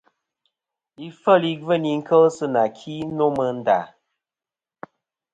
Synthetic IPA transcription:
i˦fə˦˨li˦və˦˨ni˨ŋ̩˦kʰə˦lsɨ˦na˨kʰi˦no˦mə˨n̩˦˨da̰˨

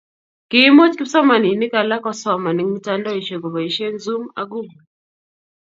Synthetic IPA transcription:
kɪ˦mɔ˦t͡ʃki˦sɔ˦ma˨ni˨nɪ˦ka˨la˦kɔ˦sɔ˦ma˨ni˨˦ŋmi˦ta˦ndɔ˦i˨ʃo˨ɡɔ˨βɔ˨iʃɛ˦nzu˦ma̰˦ɡu˦ɡu˨

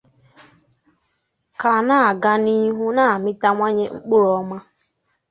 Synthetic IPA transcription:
ka˨na˦˨ɡa˦ni˦ɦu˦na˦˨mɪ˦ta˦ŋʷa˦ɲe˦ŋ͡m̩˦k͡pʊ˦ɾɔ˨ma˦

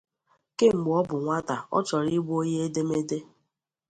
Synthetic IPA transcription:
ke˦ŋ͡m̩˨ɡ͡bɔ˦bʊ˨ŋʷa˦ta˨ɔ̰˦t͡ʃɔ˨ɾi˦ɡ͡bʷo˦ɲe˦e˦de˦me˦de˦

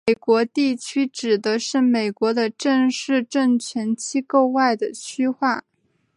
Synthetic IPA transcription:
e˩ɪkwɔ˧˥t̪i˥˩t͡ɕʰy˥ʈ͡ʂɻ̩˨˩d̪ə˦ʂɻ̩˥˩me˨˩ɪkwɔ˧˥d̪ə˧ʈ͡ʂə˥˧ŋʂɻ̩˥˧ʈ͡ʂə˥˩ŋt͡ɕʰɥɛ˧˥nt͡ɕʰi˥ko˥˧ʊwa˥˩ɪd̪ə˩ɕʰy˥xwa˥˩

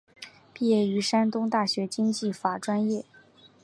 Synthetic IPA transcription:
pi˥˧jɛ˥˩y˧˥ʂa˥nt̪ʊ˥ŋt̪a˥˩ɕɥɛ˧˥t͡ɕi˥ŋt͡ɕi˥˩fa˨˩ʈ͡ʂwa˥njɛ˥˩

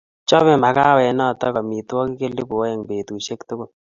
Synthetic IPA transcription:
t͡ʃɔ˦βe˦ma˨ka˦wɛ˨nɔ˦˨tɔ˦kɔ˨mi˨t̪wɔ˦ki˦ke˦li˦bo˨˦e˨ŋbe˨t̪u˨ʃe˦kt̪ʊ˦kʊ˦˨

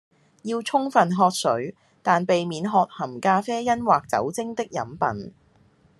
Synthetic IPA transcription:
jiː˧wt͡sʰʊ˥ŋfɐ˨nɦɔː˧t̚sɵ̰˨˥ɥ | t̪aː˨npe˨jmiː˨˥nɦɔː˧t̚hɐ˨˩mkaː˧fɛː˥jɐ˥nwaː˨k̚t͡sɐ̰˨˥wt͡sɪ˥ŋt̪ɪ˥k̚jɐ̰˨˥mpɐ̰˨n

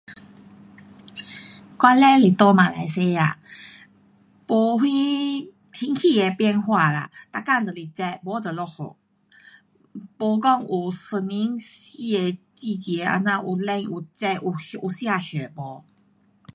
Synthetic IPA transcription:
kwa˦nlɛ˧˦li˨t̪ɔ˧mã˨la̰˨˧jse˧˦a̰˨ | po˧hwi˦ | t̪ʰi˧˦ŋhi˥˧˨e˨pjɛ˥˧nɦwa˥˧˨la̰˨t̪a˧˨ka˥˧nd̪ə˨li˨˩t͡ɕa˧bɔ˧˦d̪ə˨lɔ˧ho̰˨ | po˧kɔ˥˧˨ŋu˨sə˧˩ni˦ni˧e˧t͡ɕi˥˧˨t͡ɕjɛ˨˧˦a̰˧nã˧ʔu˨˩lɛ˧ŋu˨t͡ɕa˧ʔu˨u˨˩sja˧˨ɕɛ˨˩bɔ˨˦

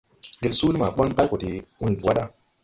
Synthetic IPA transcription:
ɡe˨lsu˦lma˨ɓo˦nba˦ko˨ti˨wu˦˨bu˨wa˦ɗa˦

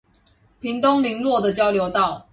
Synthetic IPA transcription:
pʰi˨˥ŋt̪ʊ˦ŋli˨˧˥ŋlwɔ˥˨d̪ə˨t͡ɕjɑ˥ʊljo˧˥ʊt̪ɑ˥˨ʊ

